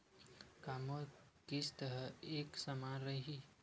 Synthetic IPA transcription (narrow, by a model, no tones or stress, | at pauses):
kaːmokist̪əɾəeːksəmaːɾəɦi